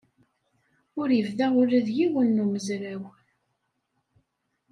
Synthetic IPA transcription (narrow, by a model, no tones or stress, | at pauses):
ʊɾjəvðæʊɾæðjiwənːuməzɾæw